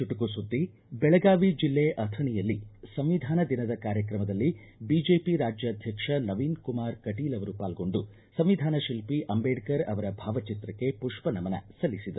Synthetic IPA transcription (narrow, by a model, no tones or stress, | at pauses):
t͡ʃuʈukusud̪ːi | bɛɭɐɡaːʋid͡ʒilːeʔɐt̪ʰɐɳijɐlːisɐmʋid̪ʱaːnɐd̪inɐd̪ɐkaːɾjɐkɾɐmɐd̪ɐlːi | biːd͡ʒeːpiɾaːd͡ʒjɐːd̪ʱjɐkʂɐnɐʋiːnkumaːɾkɐʈiːlɐʋɐɾupaːlɡo̞ɳɖu | sɐmʋid̪ʱaːnɐʃilpiʔɐmbeːɖkɐɾɐ̰ʋɐɾɐbʱaːʋɐt͡ʃit̪ɾɐkːe̞puʂpɐnɐmɐnɐ̰sɐlːisid̪ɐ